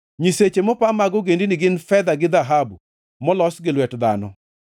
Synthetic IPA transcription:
ɲiset͡ʃemɔpamaɡɔɡendinɪɡɪnfɛd̪aɡɪd̪aɦabu | mɔlɔsɡɪlwɛtd̪a̰nɔ

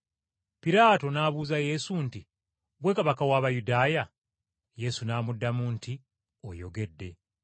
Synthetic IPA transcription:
piɾaːto̞naːβuːzaje̞sunti | ɡwe̞kaβakawaːβajudaːja | je̞sunaːmudːamuntʰi | o̰jo̞̰ɡe̞dːe̞

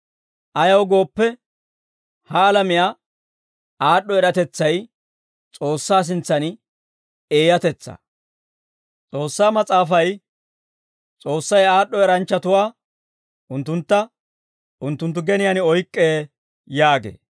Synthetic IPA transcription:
ʔɐjɐwɡo̞ːpːɛ | hɐːlɐmɪjaː | aːɗːɔɛɾɐt̪ɛt͡sːɐj | t͡sʼo̞ːsːaːs̬ɪnt͡sːɐnɪ | e̞ːjɐt̪ɛt͡sːɐ̰ | t͡sʼo̞ːsːaːmɐt͡sʼaːfɐj | t͡sʼo̞ːsːɐjaːɗːɔɛɾɐnt͡ʃːɐt̪ʊwaː | ʔʊnt̪ːʊnt̪ːɐ | ʔʊnt̪ːʊnt̪̬ːʊɡɛnɪjanɪɔjkʼːeː | jaːɡḛː

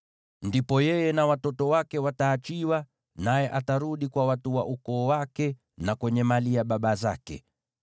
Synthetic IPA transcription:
ndipɔjɛjɛnawatɔtɔwakɛwataːt͡ʃiwa | najɛʔataɾuɗikwawatuwa̰ʔukɔːwakɛ | nakwɛɲɛmaliaɓaɓazakɛ̰

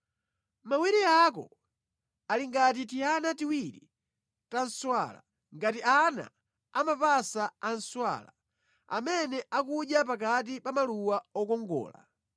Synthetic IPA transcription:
mawiɾiak̬ɔ̰ | aliŋɡat̬itianatiwiɾḭ | tanswa̰la̰ | ŋɡatiana̰ | amapasaan̩swa̰la̰ | a̰mɛnɛakuʄjap̬ak̬at̬ipamaluwaɔkɔŋɡɔ̰ːla̰

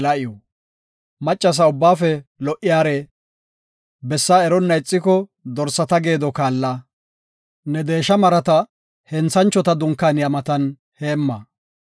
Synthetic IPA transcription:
lɐʔɪjɔ | mɐt͡ʃʼːɐs̬ɐʊbːaːfɛlɔʔɪjaːɾɛ | bɛsːaɛɾɔnːɐɪt͡sʼːɪkɔd̪ɔɾsɐt̪ɐɡe̞ːd̪ɔkaːlːɐ | nɛd̪e̞ːʃɐmɐɾɐt̪ɐ | hɛnt͡sɐnt͡ʃːɔt̪ɐd̪ʊŋkːanjɐmɐt̪ɐn | heːmːɐ

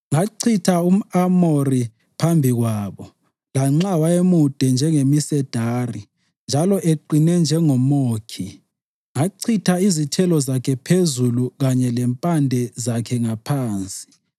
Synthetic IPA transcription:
ŋaǀʰitʰaum̩amori | pʰambʱiɣwaːβɔ | laŋ͡ǁawaemud̥ʱɛnd͡ʒʱɛŋemisɛd̥ʱaːri | nd͡ʒʱalɔʔeǃinɛnd͡ʒʱɛŋɔmoːkʰi | ŋaǀʰitʰaizitʰɛlɔzakʰɛpʰezuluɣaɲɛlɛmpʼandʱɛzakʰɛŋapʰaːnt͡sʼi̥

